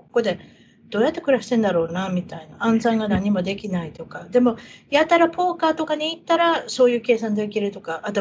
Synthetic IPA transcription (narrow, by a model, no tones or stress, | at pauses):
ko̥ko̞d̪e̞ | d̪̥o̞ːjat̪ːe̞kɯ̟ɾaɕi̥t̪end̪aɾo̞ːnamʲit̪ainaãnzãĩŋɡanaɲ̟imo̞d̪e̞kʲinait̪o̞kad̪e̞mo̞jat̪aɾapo̞ːkaːt̪o̞kaɲ̟iːt̪ːaɾaso̞ːjɯ̟ːke̞ːsãnd̪eik̬ʲiɾɯ̟t̪o̞kaʔat̪o